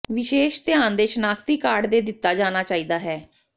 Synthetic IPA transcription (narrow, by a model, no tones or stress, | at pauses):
ʋɪʃeːʃt̪ɪjaːnd̪eːʃnaːkʰt̪iːkaːɾɖd̪eːd̪ɪt̪ːaːd͡ʒaːnaːt͡ʃaːiːd̪aːɦɛː